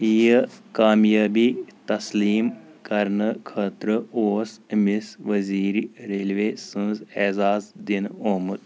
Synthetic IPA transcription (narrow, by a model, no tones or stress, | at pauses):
ijəkaːmjaːbit̪ɐsliːm | kɐɾnɨkʰɐt̪ɾɨoːsmisʋɐziːɾɾelʋeːsɨ̃zezaːzd̪inoːmɨt̪